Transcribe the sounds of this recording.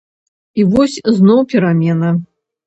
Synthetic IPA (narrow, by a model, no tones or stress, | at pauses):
ivɔsʲznɔwpʲiɾamʲɛnɐ